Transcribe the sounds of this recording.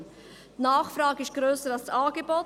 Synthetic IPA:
tnɑːχfɾɑːɡəɪʃɡ̥ɾøːsəɾɑlstɑːɡebɔ

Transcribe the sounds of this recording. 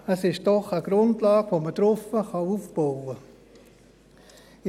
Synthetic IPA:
əsɪʃd̥ɔχəɡ̥ɾʊndlɑːɡ̥ʋoməd̥ɾʊfəχɑufb̥ɔwə

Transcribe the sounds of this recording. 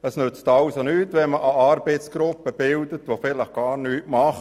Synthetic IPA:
əsnøt͡stɑʊsonyːtʋɛnməʔɑʔɑɾbeɪt͡sɡ̥ɾʊpəb̥ɪldətʋofɪləχɡ̥ɑːrnyːtmɑχ

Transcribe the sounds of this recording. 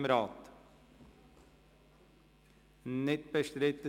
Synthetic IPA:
məɾɑːt̪ | nɪt̪̚bəʂt̪ɾɪt̪ə

